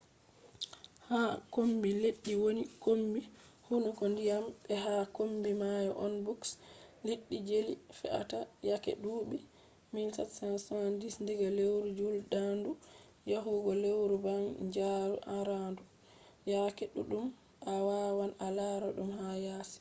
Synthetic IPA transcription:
hakombileɗːiwonikombihunukɔndijambɛɦakombimajɔʔɔnbuksleɗːid͡ʒelifɛ̰ʔa̰tajakɛ̰ɗuːbi | minsatsansɔandisndiɡalewɾud͡ʒuldandu | jaɦuɡɔlewɾubaŋd͡ʒaɾṵʔaɾandu | jakɛɗuɗum | awawanalaɾɔɗumhajaːsi̥

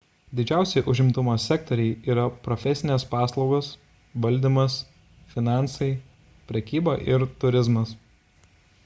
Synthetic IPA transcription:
d̪ʲɪd͡ʒʲæˑʊsʲɛɪʔʊʒʲɪmt̪ʊmoːsʲɛk̚t̪ɔɾʲɛɪiːɾɐpɾɔfʲɛsʲɪnʲeːspɑːslˠɒʊɡos | ʋɐlʲˑd̪ʲiˑmɐs | fʲɪnɑˑnsɐɪ | pʲɾʲɛkʲiːbɐʔɪɾt̪ʊɾʲɪzmɐs

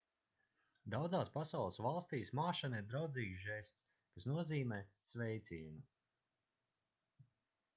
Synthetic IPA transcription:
d̪awd̪zaːspasawlˠəsvalˠst̪iːsmaːʃaniɾd̪ɾawd̪ziːɡzʒɛst̪s | kasnuɔziːmɛːsvɛjt̪siːnu

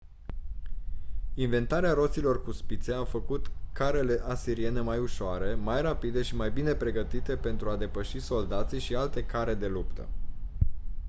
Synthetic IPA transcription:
inve̞nt̪aɾeaɾo̞t̪silo̞rkuspit̪se̞afəkut̪kaɾe̞le̞ʔasiɾie̞ne̞majuʃoaɾe̞majrapid̪e̞ʃimajbine̞pɾe̞ɡət̪it̪e̞pe̞nt̪ɾuad̪e̞pəʃiso̞ld̪at̪siʃialt̪e̞kaɾe̞d̪e̞lupt̪ə̰

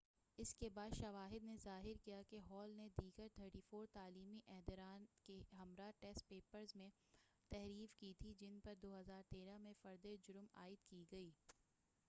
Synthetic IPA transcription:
ɪskebaːd̪ʃɐʋaːɦɪd̪nezaːɦɪɾkijakeɦɔːlned̪iːɡəɾt̪ʰəɾʈiːfoːɾt̪aːliːmiʔɛɦd̪ɾaːnkeɦɐmɾaʈɛːs̚peːpəɾzmẽ | t̪ɛɦɾiːfkit̪ʰid͡ʒɪnpɐɾd̪oːɦɐzaːɾt̪eːɾamẽfɐɾd̪ed͡ʒʊɾma̰ːɪd̪kiɡɐiː

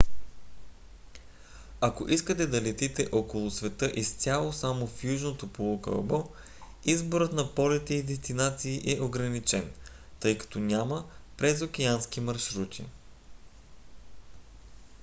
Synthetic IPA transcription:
ako̰ʔiskət̪ɛd̪ɐlɛt̪it̪ɛʔɔkolˠʊsvɛt̪ɤʔist̪sʲalˠosamofjuʒnot̪opolokə̰bɔ | izboɾət̪nɐpɔlit̪ɛid̪ɛst̪inat̪siːʔɛʔoɡɾɐnit͡ʃɛn | t̪ɤjkɐ̥t̪ɔnʲaməpɾɛzokʲɛanskimɐɾʃɾut̪ʲʰḭ

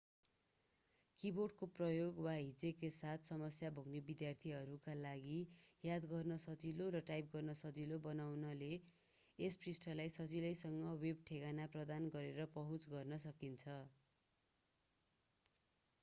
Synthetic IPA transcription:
kiboɖkoprʌjoɡwaɦid͡zekesat̪ʰsʌmʌsjabʱoɡnebid̪jart̪ʰiɦʌɾukalaɡijad̪ɡʌrnʌsʌt͡silorʌʈajp̚ɡʌrnʌsʌt͡silobʌnawnʌle | esprisʈʰʌlajsʌt͡silʌjsʌŋɡʌweb̚ʈʰeɡanaprʌd̪anɡʌɾeɾʌpʌɦũt͡sɡʌrnʌsʌkint͡sʰʌ

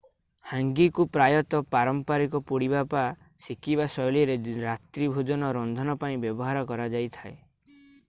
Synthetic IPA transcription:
haŋɡikupɾajɔt̪ɔpaɾɔmpaɾikɔpuɽibapa | sikibasɔjliɔɾeɾat̪ɾibʱud͡ʒɔnɔɾɔnd̪ʱɔnɔpaĩbjɔbɔɦaɾɔkɔɾad͡ʒajt̪ʰae

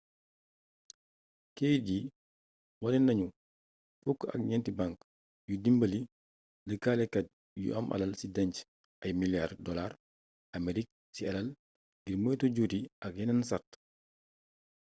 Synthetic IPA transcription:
keːɟi | walɛnːɐɲu | fukːɐ̰k̚ɲɛntibãŋk | judimbɐli | ləkaːlɛkɐt̚ | jṵʔɐ̰mʔɐ̰lɐlsidɐɲc | ʔɐjmiljardɔlar | ameɾik̚ | siɐlɐl | ɡiɾməːtoɟutiʔɐk̚jɛnɛnsat

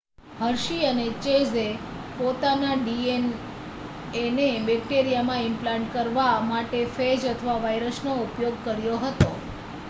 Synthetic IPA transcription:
həɾʃiənet͡ʃezepot̪anaɖien | enebɛk̚ʈeɾijamãɪmplaɳʈkəɾʋamaʈefed͡ʒət̪ʰəʋaʋajɾəsnoupjoɡ̚kəɾjoɦət̪o

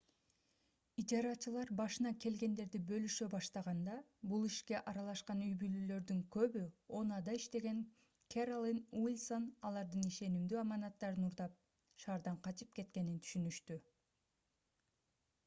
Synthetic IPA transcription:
id͡ʒɑɾɑt͡ʃɯlˠɑɾbɑʃɯnɑke̞lɡe̞nd̪e̞ɾd̪ibø̞lyʃøbɑʃt̪ɑʁɑnd̪ɑbulˠiʃke̞ʔɑɾɑlˠɑʃqɑnyjbylylø̞ɾd̪yŋkø̞βyo̞nɑd̪ɑiʃt̪e̞ɡe̞ŋ | kʰerolˠinwilʲso̞nɑlˠɑɾd̪ɯniʃe̞nimd̪yɑmɑnɑt̪ːɑɾɯnuɾd̪ɑp̚ | ʃɑːɾd̪ɑɴqʰɑt͡ʃɯp̚ke̞t̪̚ke̞nint̪ʰy̥ʃynyʃt̪y

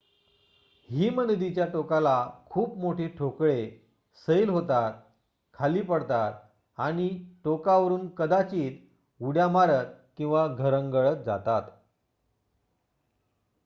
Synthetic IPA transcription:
ɦiːmənd̪it͡ɕjaʈokalakʰuːpmoʈʰeʈʰokɭe | səjlɦot̪at̪̚ | kʰaliːpəɽt̪at̪̚ | aɽ̃iʈokaʋəɾuːnkəd̪at͡ɕiːt̪ | uɽjamaɾət̪̚kĩw̃ʋaɡʱəɾəŋɡəɭət̪̚d͡za̰t̪at̪

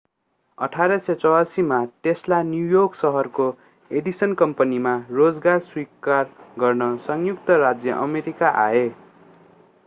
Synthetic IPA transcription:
ʌʈʰaɾʌsʌt͡sʌwasimaʈeslanjujoksʌɦʌrko | eɖisʌnkʌmpʌnimarod͡zɡarswikarɡʌrnʌsʌŋjuk̚t̪ʌɾad͡zjʌʔʌmeɾikaʔae

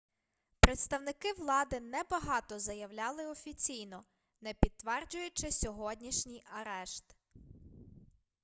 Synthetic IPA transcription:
pɾet̪st̪ɐwnɪkɪʋlˠɑd̪ɪnɛbɐɦɑt̪ɔzɐjɐwlʲɑlˠɪɔfʲit͡sʲijnɔ | nɛpʲid̪̚t̪ːʋɛrd͡ʒʊjʊt͡ʃɪsʲɔɦɔdʲnʲiʃnʲijɐɾɛʃt̪

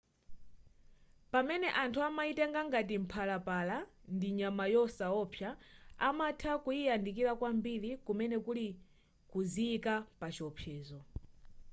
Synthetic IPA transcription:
pamɛnɛʔantʰuamaitɛŋɡaŋɡatim̩pʰalapalandiɲamajɔsaɔpʰjaamatʰakuiandik̬iɾakwambiɾikumɛnɛkuli | kuziːkapat͡ʃiɔpʰjɛːzɔ

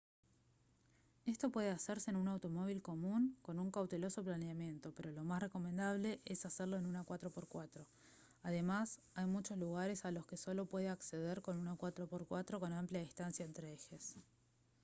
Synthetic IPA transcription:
e̞st̪o̞pwe̞ð̞easeɾse̞ːnunawt̪o̞mo̞β̞ilko̞mũŋko̞nuŋkawt̪e̞lo̞so̞planeamje̞nt̪o̞pe̞ɾo̞lo̞masre̞ko̞me̞nd̪aβle̞ʔesaseɾlo̞enunakwat̪ɾo̞po̞ɾkwat̪ɾo̞ | að̞e̞mas | ajmut͡ʃo̞sluɣ̞aɾe̞salo̞ske̞so̞lo̞pwe̞ð̞eakse̞ð̞eɾko̞nunakwat̪ɾo̞po̞ɾkwat̪ɾo̞ko̞nampljaðist̪ansjaent̪ɾeexe̞s

